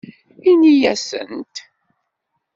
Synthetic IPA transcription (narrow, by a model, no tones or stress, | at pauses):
inijæsə̰nt̪